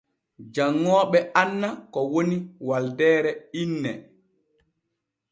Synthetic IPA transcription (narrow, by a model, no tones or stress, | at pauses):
d͡ʒaŋːɔːɓɛʔanːakɔwoniwaldɛːɾɛinːɛ̰